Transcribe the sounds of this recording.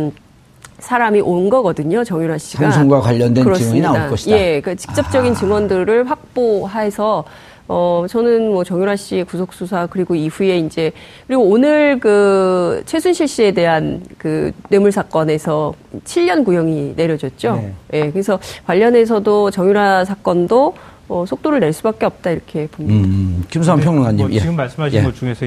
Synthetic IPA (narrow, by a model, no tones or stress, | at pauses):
sʰaɾamiʔonɡʌɡʌdɯɲot͡ɕʌŋjuɾɦaɕ͈iɡasʰŋɡwakwaʎːʌndweɯɾʌsŋiniadakʌɕijea̞kɯt͡ɕi̥k̚t͡ɕ͈ʌp̚t͡ɕ͈ʌɡint͡ɕɯŋwʌndɯɾɯɭɸak̚p͈oɦaɦesʰʌ | ʌt͡ɕʌnɯnmwʌt͡ɕʌŋjuɾɦaɕ͈iekusʰok̚s͈usʰakɯɾiɡoiɸue̞ind͡ʑe̞ | kɯɾiɡoonɯɭkɯt͡ɕʰwe̞sʰunɕʰiɭɕ͈ie̞de̞ɦankɯne̞muɭsʰak͈ʌne̞sʰʌt͡ɕʰiʎːʌnkujʌŋine̞ɾjʌd͡ʑʌt̚t͡ɕ͈oje̞kɯɾe̞sʰʌkwaʎːʌne̞s̬ʰʌdot͡ɕʌŋjuɾɦasʰak͈ʌndo | ʌsʰok̚t͈oɾɯɭne̞ɭs͈ubak͈e̞ʌp̚t͈aiɾʌkʰe̞poɲkims̬ʰampʰjʌŋmɯŋaɲːiimeɡɯmːaɭs͈ɯmɦaɕieɡʌt͡ɕuŋesʰ